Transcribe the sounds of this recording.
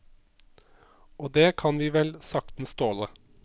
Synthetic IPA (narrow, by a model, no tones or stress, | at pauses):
oːd̪eːkʰɑnʋiːʋɛlsɑk̚t̪n̩st̪oːlə